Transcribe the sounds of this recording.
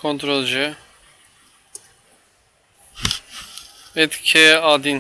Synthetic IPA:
kʰɔnt̪ʰɾolʒɛ | pɛt̪kʰɛɑd̪in

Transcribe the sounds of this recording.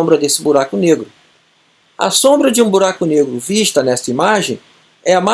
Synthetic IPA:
mbɾɐd̪esɪbuɾakʊneɡɾʊ | ɐ̰sõmbɾɐd͡ʒɪũbuɾakʊneɡɾʊviʃt̪ɐnɛst̪ɐimaʒẽj̃ | ɛɐma

